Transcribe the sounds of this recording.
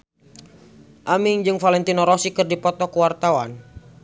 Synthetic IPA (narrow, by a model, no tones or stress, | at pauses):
ʔamiŋd͡ʒɨŋfalɛnt̪inɔɾɔsikɨrdipɔt̪ɔkəwart̪awan